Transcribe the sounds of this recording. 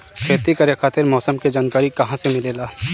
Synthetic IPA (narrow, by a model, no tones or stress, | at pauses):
kʰeːt̪ikɐɾexʰaːt̪ɪɾmɔːsəmked͡ʒaːnkaːɾikɐɦãsemɪleːlaː